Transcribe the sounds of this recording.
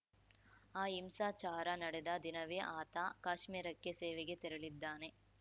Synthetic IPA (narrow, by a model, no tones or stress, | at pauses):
aːimsaːt͡ʃaːɾɐnɐɽed̪ɐd̪inɐʋeːʔaːt̪akaːʂmiːɾɐkːeseːʋeɡe̞t̪ɛɾɐɭid̪ːaːne̞